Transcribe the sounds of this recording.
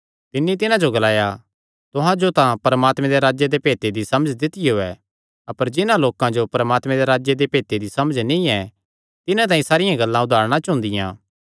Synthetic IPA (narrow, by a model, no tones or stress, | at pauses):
t̪ɪnːit̪̬ɪnãd͡ʒoɡɐlaːja | t̪ʊɦãd͡ʒot̪ãpɐɾəmaːt̪mɛ̃d̪eɾaːd͡ʒjed̪epeːt̪ed̪isɐməd͡ʒd̪ɪt̪ɪjoɛ | ɐpəɾd͡ʒɪnãloːkãd͡ʒopɐɾəmaːt̪mɛ̃d̪eɾaːd͡ʒjed̪epeːt̪ed̪isɐməd͡ʒnĩɛ | t̪ɪnãt̪aːĩsaːɾɪjãɡɐlːãʊd̪ʱaːɾɽ̃ãt͡ʃʊ̃ːnd̪ɪjã̰ː